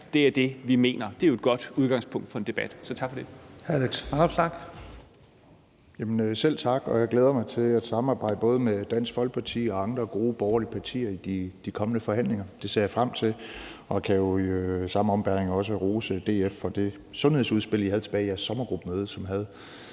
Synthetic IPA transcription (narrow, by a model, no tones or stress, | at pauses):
d̥e̝æɐd̥e̝ʋime̝̰ːnɐd̥e̝æɐjo̝ed̥ɡ̥ɒ̽d̥uð̞ˠɡ̥ɑ̈ŋspʰɔ̽ŋ̰d̥fɒ̽e̝nd̥e̝b̥æd̥sɒt͡sʰɑ̈ɡ̥fɒ̽d̥e̝hæliɡ̥smɑnɑb̥snɑɡ̥ | jæmənøsel̰t͡sʰɑ̈ɡ̥ɒ̽jɑɡ̥leːð̞ˠɐmɑ̈ɪt͡sʰe̝læ̥sɑ̈mɑ̈ːbɑ̈ɪ̰d̥əb̥ɔ̽ːð̞ˠəmed̥æn̰sɡ̥fɒ̽l̰ɡ̥̚pʰɑt͡sʰḭːɒ̽ɑ̈ŋd̥ʁɐɡ̥o̝ːb̥ɒʊɐliəpʰɑ̈t͡sʰḭːɐid̥id̥ikʰɒ̽mənəfɒ̽hæn̰le̝ŋɐd̥e̝sɛjɑ̈fʁam̰t͡sʰe̝lɒ̽kʰæjo̝sɑ̈m̩ɒ̽mb̥æɐeŋɒ̽s̬əʁo̝ːsəd̥e̝̰ːefɒ̽d̥e̝ | sɔ̽nhe̝ðˠsuðˠsb̥e̝l̰ˠjihæð̞ˠt͡sʰe̥bɛːɪjæɐsːɒ̽mɐɡ̥ʁub̥əmøːð̞ˠsɒ̽mɦæð̞ˠ